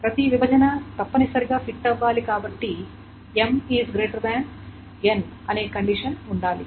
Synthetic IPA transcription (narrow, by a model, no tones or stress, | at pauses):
pɾɐt̪iʋibʱɐd͡ʒɐnɐt̪ɐpːɐnisɐɾiɡaːpʰiʈːɐʋːaːlikaːbɐʈːi | emiːzɡɾeːʈɐɾd̪aːɳ | en | ɐne̞ːkɐɳɖiʂɐnuɳɖaːli